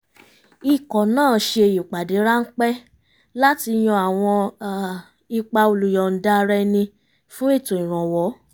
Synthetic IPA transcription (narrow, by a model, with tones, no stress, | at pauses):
i˨kɔ˨nãː˦˨ʃe˧e˧˨ju˨k͡pa˨de˨˦ɾa˦ŋ̩˦k͡pɛ˦ | la˦ti˧j̃ɔ̃˧a˨w̃ɔ̃˧˨ | i˧k͡pa˧o˧lu˨jɔ˨n̩˨da˦˧ɾɛ˧nĩ˧ | fũ˦i˦˨tõ˨ĩ˨ɾ̃ɔ̃˨wɔ˨˦